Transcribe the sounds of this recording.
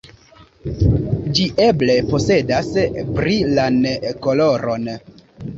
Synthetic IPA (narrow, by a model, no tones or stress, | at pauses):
d͡ʒiʔe̞ble̞po̞se̞daspɾilaneko̞lo̞ɾo̞n